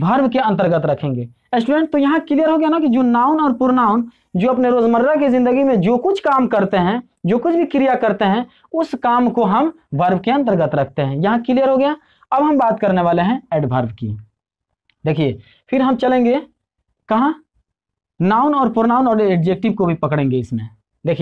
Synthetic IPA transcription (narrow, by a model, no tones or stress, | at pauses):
bʱɐɾbkeɐ̃nt̪əɾɡət̪ɾɐkʰẽːŋɡḛː | ɛsʈuɾẽːɳʈ̚t̪ojɐɦãkɪlijəɾɦoɡɐjanakid͡ʒoːnaːʊnɔːɾpʊɾnaːʊn | d͡ʒoːɐpneɾoːzməɾɾak̬izɪ̃nd̪əɡimẽd͡ʒoːkʊt͡ʃʰkaːmkɐɾt̪eɦɛ̃ | d͡ʒoːkʊt͡ʃʰbʱikɪɾijakɐɾt̪eɦɛ̃ | ʊskaːmkoɦɐm | bʱɐɾbkiɐ̃nt̪̬əɾɡət̪ɾɐk̚ʰt̪eɦɛ̃jɐɦãkɪlijəɾɦoɡɐja | ɐbɦɐmbaːt̪kɐɾneʋaːleɦɛ̃ɛːɖbʱɐɾbkḭ | d̪eːkʰiḛː | pʰɪɾɦɐmt͡ʃɐlẽːŋɡe | kɐɦã | naːʊnɔːɾpʊɾnaːʊnɔːɾeeɖd͡ʒeːk̚ʈɪbkobʱipɐkɽẽːŋɡeɪsmẽ | d̪eːkʰie